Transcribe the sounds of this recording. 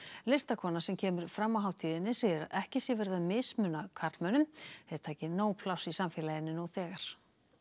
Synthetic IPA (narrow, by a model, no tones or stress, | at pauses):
lɪst̪akʰɔːnasɛmcʰɛːmʏɾ̥fɾamːaɦawt̪ʰiːðɪnːɪsejɛɾaðɛhcɪsjɛvɛɾðamɪsmʏnakʰaɾt̪lmœnʏmθeðɾt̪ʰaːcɪnoːwpʰlawsisamfɪːlajɪnːɪnuθɛːɣaɾ̥